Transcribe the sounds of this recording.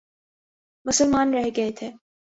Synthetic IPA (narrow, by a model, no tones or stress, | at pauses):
mʊsəlmaːnɾɛɦɡɐet̪ʰeː